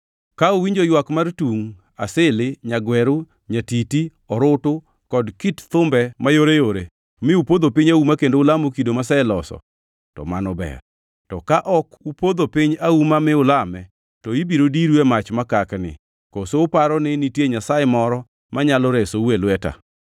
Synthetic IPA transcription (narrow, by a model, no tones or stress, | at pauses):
kaowiɲd͡ʒojwakmartuŋ | a̰sɪlɪɲaɡwɛɾu | ɲatiti | ɔɾʊtʊ | kɔdkitt̪ʊmbɛmajoɾejoɾe | mɪupod̪opɪɲaumakendoʊlamokidomasɛɛlɔsɔ̰ | tɔ̰manɔbɛ̰r | tɔkaʔɔkupod̪opɪɲaumamɪʊlamɛ | tɔibiɾodiɾwemat͡ʃmakaknɪ̰ | kosoʊpaɾɔnɪnitjeɲasajɛmɔɾɔ | maɲalɔɾɛsowelwɛta̰